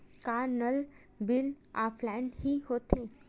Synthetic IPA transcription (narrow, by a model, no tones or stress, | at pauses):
kaɾnəl | bil | aflanhiːɦot̪ʰẽ